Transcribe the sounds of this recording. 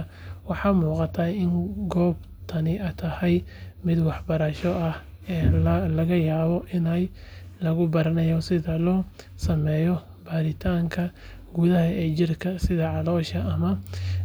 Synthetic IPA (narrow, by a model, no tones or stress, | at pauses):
wɑħɑmuːqɑt̪ʰɐɪŋɡɔːb | t̪ʰɐnɪɐjt̪ʰɐhɛjmɪd̪wɑħbɐɾɐʃɔɐh | ɛːlɐɣɐjaːβɔʔɪnɐj | lɐɣʊbɐɾɐnɐjɔsɪðɐlɔː | sɐmɛːjɔ | baːɾɪt̪ʰaːŋkʰɐ | ɡʊðɐɦɐɛːt͡ʃɪrkʰɐsɪðɐʕɑlɔːʃɐʔɐmɐ